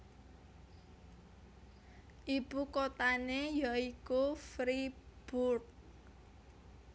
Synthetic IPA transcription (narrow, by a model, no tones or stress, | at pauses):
ʔib̥ukot̪anejaikufɾib̥urt